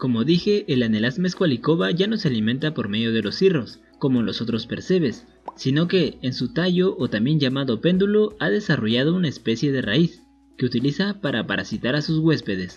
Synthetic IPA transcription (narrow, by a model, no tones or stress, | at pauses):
ko̞mo̞ðixe̞ʔːlane̞lazmeskwaliko̞βaʝano̞se̞alimẽ̞nt̪apo̞ɾme̞ðjo̞ð̞e̞lo̞siro̞s | ko̞mo̞lo̞so̞t̪ɾo̞spe̞ɾse̞βe̞sː | ino̞ke̞ːnsut̪aʝo̞ʔːt̪ambje̞nʝamaðo̞pe̞nd̪ulo̞aðe̞saro̞ʝað̞o̞unaespe̞sje̞ðe̞ra̰is | ke̞ut̪ilisapaɾapaɾasit̪aɾasuzɣwe̞spe̞ðe̞s